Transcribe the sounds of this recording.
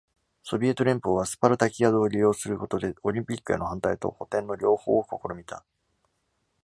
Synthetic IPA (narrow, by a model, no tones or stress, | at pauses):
so̞bʲie̞t̪o̞ɾʲẽ̞mpoβasɨ̥paɾɯ̟t̪akʲijad̪oːɾʲijo̞ːsɨɾɯ̟ko̞t̪o̞d̪e̞oɾʲĩmpʲikːɯ̟eno̞hãnt̪ait̪o̞̰ho̞t̪ẽ̞nːo̞ɾʲo̞ːho̞̰ːoko̞ko̞ɾo̞mʲit̪a